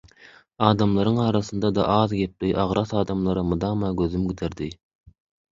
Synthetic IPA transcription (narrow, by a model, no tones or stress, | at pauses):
ɑːd̪ɑmlˠɑɾɯŋɑːɾɑθɯnd̪ɑd̪ɑ̰ʔɑːðɡe̞p̚liʔɑʁɾɑθɑːd̪ɑmlˠɑɾɯmɯd̪ɑːmɑɡøðymɡʲid̪ʰeɾd̪i